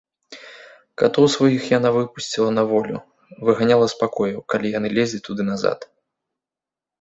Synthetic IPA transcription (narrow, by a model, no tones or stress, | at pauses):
kat̪ɔwsvajixjanavɨpusʲt͡sʲilˠɐnɐvɔlʲṵ | vɨɣanʲalˠɐspakɔjɐwkalʲijanɨlʲezʲlʲit̪ud̪ɨnaza̰t̪